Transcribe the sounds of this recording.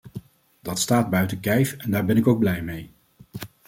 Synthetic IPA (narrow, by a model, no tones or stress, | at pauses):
d̥ɑtstaːd̚bœɥtəkɛjfɛndaːɹbɛnɪkowɡ̚blɛjmej